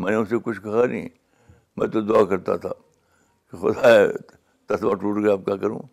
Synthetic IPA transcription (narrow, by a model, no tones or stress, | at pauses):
mɛ̃ːneʊsekʊt͡ʃʰkɐɦanḭ̃ː | mɛ̰̃ːt̪od̪ʊakɐɾt̪a̰t̪ʰa̰ː | kixʊ̰d̪ae | t̪ɐsmãʈuːʈɡɐjaːp̚kakɐɾṵ̃ː